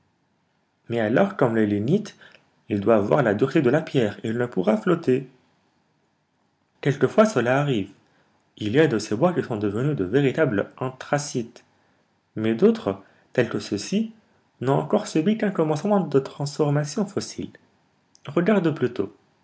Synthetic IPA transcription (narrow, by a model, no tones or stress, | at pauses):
mɛalɔʁkɔmlelynit̪ | ild̪waːwa̰ʁlad̪yʁt̪ed̪əlapjɛʁeilnəpuʁaflɔt̪e | kʲɛlkəfwasəlaːʁiv | iljad̪əsebwakʲisɔ̃d̪əvənyd̪əveʁit̪ablɑ̃t̪χasit̪ | mɛd̪ot̪χə | t̪ɛlkəsəsi | nɔ̃ɑ̰̃kɔʁsybikɛ̃kɔmɑ̃smɑ̃d̪ət̪χɑ̃sfɔʁmasjɔ̃fɔsḭl | ʁəɡaʁd̪plyt̪o̰